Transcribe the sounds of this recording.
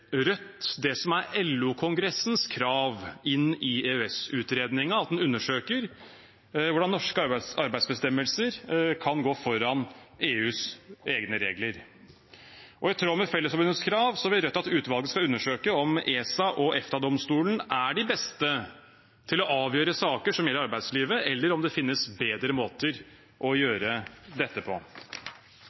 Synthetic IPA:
ɾœt̪ːd̪ɛsɔmæɾɛlːukʰʊŋɡɾɛsn̩skʰɾɑːʋɪnɪeːøɛsʉːt̪ɾeːd̪nɪŋəɑt̪̚d̪nʉnːəʂøːkəɾ | ʋʊɖɑnːɔʂkəɑɾbæɪsbəst̪ɛmːəlsəɾkʰɑnɡoːfɔɾɑneːʉːseːɡnəɾeːɡləɾ | ʔɔɪt̪ʰɾoːmɛfɛlːəsfɔbʉnəskʰɾɑːʋsɔbɪɾœt̪ːɑt̪ʉːt̪ʋɑlˠɡəskɑʉnːəʂøːkəɔmeːsɑʔɔʔɛft̪ɑd̪ɔmst̪uːlənʔæɖɪbɛst̪ə | t̪ʰɪlɔʔɑːʋjøːɾəsɑːkəʂɔmjɛlːəɾɑɾbæɪd̪sliːʋəɛlːəɾɔmd̪ɛfɪnːəsbeːd̪ɾəmoːt̪əɾ | ʔɔjøːɾəd̪ɛt̪ːəpʰɔ̰

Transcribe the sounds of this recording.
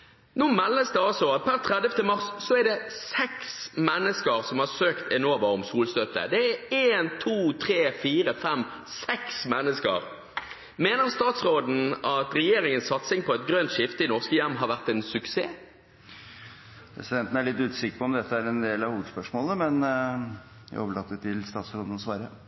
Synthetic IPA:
nuːmɛlməsd̪əɑlsɔpʰæʁt̪ʰɾɛd̪jəft̪əmɑʁsːɔɛɾd̪ɛsɛksmɛnːəskəʁsɔmhɑʁsøːkt̪ɛnoːʋəɔmsuːlst̪œt̪ə̰d̪ɛæeːnt̪ʰuːt̪ʰɾeːfiːɾəfɛmsɛksmɛnːəskə̰ɾ | meːnəʁst̪ɑːt̪sʁoːd̪n̩ɑt̪ɾɛjeːɾʁɪŋənsɑt̪sɪŋpʰɔɛt̪̚ɡɾœnt̪ʃɪft̪əɪnɔʁskəjæmːɦɑɾʋæʁt̪ɛɪnsʉkseː | pʰɾɛ̰sɪd̪ɛnt̪ən̩æɭɪt̪ːʉːt̪sɪkpʰɔɔmd̪ɛt̪ːəæɾɛnd̪eːlɑʋhuːʋəd̪spœʂmoːləmɛn | æ̰oːʋəɭɑt̪ːət̪ʰɪlst̪ɑːt̪sɾoːd̪ən̩ɔsʋɑɾjə

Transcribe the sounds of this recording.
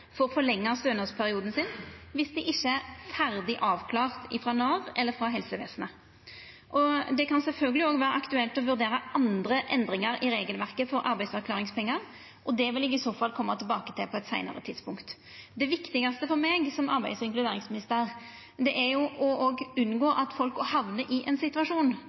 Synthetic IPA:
fɔɾɔfɔlɛŋːɑst̪øːnəspʰæɾɪuːd̪n̩sɪnʋɪsd̪ɪʔɪçːəæfæɾd̪ɪʔɑːʋkʰlɑːʁt̪ɪfɾɑnɑːʁɛlːəɾfɾɑɦɛlsəʋḛːsən̩ə | ʔɔd̪ɛkɑnsɛlfœlɡəlɪoːɡʋæːɾəʔɑkt̪ʉɛlt̪ɔʋʉɾd̪eːɾəʔɑnd̪ɾəʔɛnd̪ɾɪŋɑɾɪɾeːɡəlʋæʁkəfɔɾʔɑ̰ɾbæɪd̪sæʁkʰlɑːɾɪŋspɛŋːɑɾ | ʔɔd̪ɛʋɪlɪɡɪsoːfɑlkʰɔmːɑt̪ʰɪlbɑːkə̥t̪ʰɪlpʰɔɛt̪sæɪnɑ̰ɾə̰t̪ʰɪd̪spʊŋkt̪ | d̪ɛʋɪkt̪ɪɡɑst̪əfɔɾmeːɡsɔmɑ̰ɾbæɪsɪŋklʉd̪eːɾɪŋsmɪnɪst̪əʁ | d̪ɛʔæɾjʊʔɔʔoɡʉnːɡoːɾɑt̪fɔlkɔhɑʋnəʔɪʔɛnsɪt̪ʉɑʂuːn

